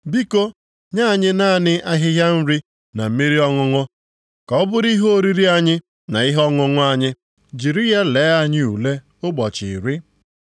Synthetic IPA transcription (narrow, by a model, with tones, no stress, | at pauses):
bi˦ko˦ | ɲa˦˨ɲɪ˦na˦˨nɪ˦ʔa˦ɦɪ˦ɦja˦n̩˦ɾi˦ | na˨m̩˦mi˦ɾi˦ɔ˦ŋʊ˦ŋʊ˦ | kɔ˨˦ɔ˦bʊ˦ɾi˦ɦo˦o˦˨ɾi˦ɾi˦a˦ɲɪ˦ | na˨i˦ɦɔ˦ŋʊ˦ŋʊ˦a˦ɲɪ˦ | d͡ʒi˨ɾi˦ja˦le˨˦a˦ɲɪ˦u˨le˦ | ʊ˦ɡ͡bɔ˨t͡ʃɪ̰˨ɾi˦